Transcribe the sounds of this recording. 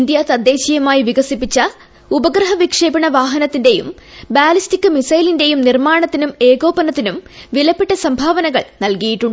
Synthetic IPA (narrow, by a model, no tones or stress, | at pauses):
ind̪jat̪ɐd̪ʱːe̞ːɕijɐmaːjiʋiɡɐsipːit͡ɕːɐ | ubɐɡɾɐɦɐʋikʂe̞ːbiɳɐʋaːɦɐnɐt̪ːinde̞jumbaːlistikːɨmisɐjlinde̞jumnirmaːɳɐt̪ːinume̞ːɡo̞ːpɐnɐt̪ːinumʋilɐpːeʈːɐsɐmbʱaːʋɐnɐɣɐɭnɐlkɐjiʈːuɳɖ